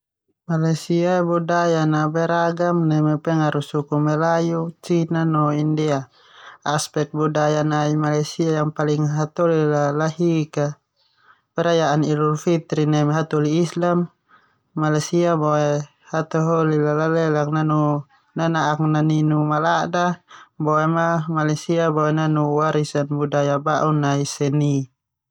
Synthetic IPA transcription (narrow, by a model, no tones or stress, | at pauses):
malajsiabudajanabɛɾaɡamnɛmɛpɛŋaɾusukumɛlajut͡ʃinanɔindɛa | aspɛk̚t̪̚budajanaimalajsiajaŋpaliŋɦat̪ɔlilalaɦika | pɛɾajaʔanilurfit̪ɾinamaɦat̪ɔliːslamː | alajsiabɔɛ | hat̪ɔɦɔlilalalɛlak̚nanu | nanaʔːknaninumalaʔdabɔɛmamalasiabawɛnanuwaɾisanbudajabaʔunaisɛni